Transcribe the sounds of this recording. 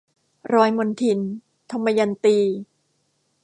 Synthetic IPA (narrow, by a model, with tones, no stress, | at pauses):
ɾɔː˧jmo˧nt̪ʰi˧˩n | t̪ʰa˧mːa˧ja˧nt̪iː˧˩